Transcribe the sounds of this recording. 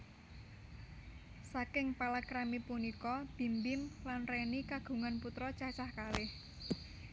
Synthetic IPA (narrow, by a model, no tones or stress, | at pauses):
sakɪŋpalakɾamipunikɔb̥i̤mbɪmlanrɛnikaɡ̥ṳŋanput̪ɾɔt͡ʃat͡ʃahkalɪh